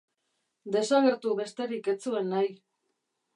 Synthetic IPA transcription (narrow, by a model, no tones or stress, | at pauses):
d̪e̞saɣeɾt̪uβe̞st̪e̞ɾike̞t͡sue̞nːaj